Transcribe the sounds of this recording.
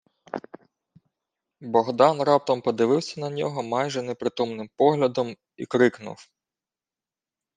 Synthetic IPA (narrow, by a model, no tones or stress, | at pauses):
bɔɦd̪ɑnrɑp̚t̪ɔmpɔd̪ɪʋɪwsʲɐnɐnʲɔɦɔmɑjʒɛnɛpɾɪt̪umnɪmpɔɦlʲɐd̪ɔm | ḭkɾɪknʊ̰w